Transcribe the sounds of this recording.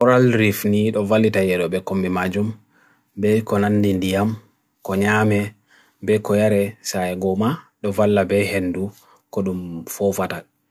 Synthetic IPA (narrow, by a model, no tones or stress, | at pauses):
ɔɾalɾifniɗɔvalːitajɛɗɔbɛkombimad͡ʒum | bɛkɔnanːdindijam | kɔɲaːmɛ | bɛkɔjaɾɛsaɛɡɔmaɗɔvalːabɛhenːdu | kɔɗumfɔfata